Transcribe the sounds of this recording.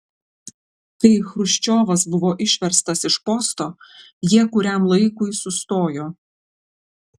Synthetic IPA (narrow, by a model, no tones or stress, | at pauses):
kɐɪxɾʊʃʲt͡ʃʲoːʋɐs̬bʊʋoːʔɪʃʲʋʲɛɾst̪ɐsɪʃpɔst̪oː | jiɛkʊɾʲæmlˠɐɪkʊɪsʊst̪oːjoː